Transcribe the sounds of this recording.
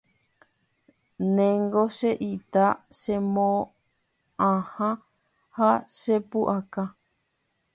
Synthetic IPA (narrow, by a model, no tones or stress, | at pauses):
nẽŋɡoʃeʔit̪aʃemõ | ãhã | haʃepuʔaka